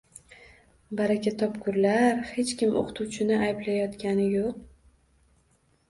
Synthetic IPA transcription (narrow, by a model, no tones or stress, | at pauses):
baɾakʲat̪ʰɒpkʰʊɾlaɾhe̞t͡ʃkʲɪmʔo̰qʰʊt̪ʰuwt͡ʃʰɪnɪajblajɒt̪kʲʰanɪjoq̚